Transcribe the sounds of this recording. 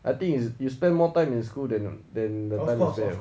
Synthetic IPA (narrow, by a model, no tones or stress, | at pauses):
ʔajt̪ĩŋisjuspɛ̃nmɔtãɪ̃mĩns̬kuldɛ̃ndɛ̃ndətãɪ̃misbɛ̃